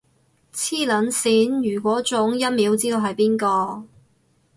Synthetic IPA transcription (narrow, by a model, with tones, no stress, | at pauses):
t͡sʰiː˥lɐ˨˥nsiː˨˥njyː˨˩kʷɔː˨˥t͡sʊ˨˥ŋjɐ˥t̚miː˨˥wt͡siː˥d̪o˧wɦɐ˨jpiː˥nkɔː˧